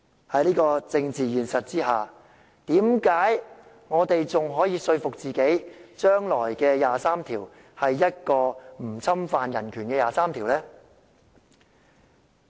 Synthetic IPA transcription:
hɐ˨˥jliː˥kɔː˧t͡sɪ˧ŋt͡siː˨jyː˨˩nsɐ˨t̚t͡siː˥haː˨ | t̪iː˨˥mkaː˨˥j | ŋɔː˨˧t̪e˨jt͡sʊ˨ŋɦɔː˨˥jiː˨˧sɵ˧ɥfʊ˨k̚t͡siː˨ke˨˥jt͡ʃœː˥ŋlɔː˨˩jkɛː˧jaː˨saː˥mt̪ʰiː˨˩w | hɐ˨jːɐ˥t̚kɔː˧m̩˨˩t͡sʰɐ˥mfaː˨˧njɐ˨˩nkʰyː˨˩nkɛː˧jaː˨˩saː˥mt̪ʰiː˨˩wlɛː˥

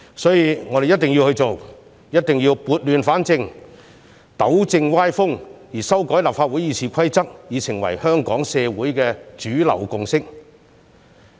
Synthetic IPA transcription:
sɔː˨˥jiː˧ŋɔː˨˧ɾe˨jɐ˥t̚t̪ɪ˨ŋji˧whɵ˧t͡so˨w | jɐ˥t̚t̪ɪ˨ŋjiː˧wpuː˧t̚lyː˨nfaː˨˥nt͡sɪ˧ŋ | t̪ɐ˨˥wt͡sɪ˧ŋwaː˥jfʊ˥ŋjiː˨˩sɐ˥wkɔː˨˥jlaː˨pfaː˧t̚wuː˨˥jiː˨˧t͡sʰiː˨˩kʰɐ˥jt͡sɐ˥k̚jiː˨˧sɪ˨˩ŋwɐ̰˨˩jhœː˥ŋkɔː˨˥ŋsɛː˧wuː˨˥jkɛː˧t͡ʃyː˨˥lɐ̰˨˩wkʊ˨ŋsɪ˥k̚

